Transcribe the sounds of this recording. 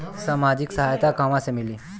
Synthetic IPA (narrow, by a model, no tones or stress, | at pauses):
samad͡ʑiksəɦajt̪akamasemiliː